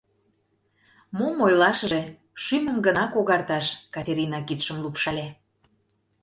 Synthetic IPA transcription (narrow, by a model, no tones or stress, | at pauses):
momojlɑʃəʒe | ʃymə̆mɡənɑkoɣɑrt̪ɑʃkɑtʲeɾʲinɑkit̪ʃəmlupʃɑlʲe